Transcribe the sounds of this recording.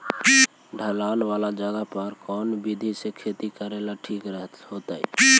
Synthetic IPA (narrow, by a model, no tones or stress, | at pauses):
ɖʱəlaːnʋaːlad͡ʒəɡapəɾkɔːnbid̪ʱisekʰeːt̪ikəɾelaʈʰiːkɾəɦ̪ɦoːt̪aḭ